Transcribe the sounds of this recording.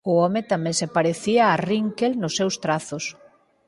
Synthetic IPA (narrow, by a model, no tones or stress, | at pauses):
ʊɔmet̪amẽŋsepaɾeθiaːriŋkelnʊsːewst̪ɾaθʊs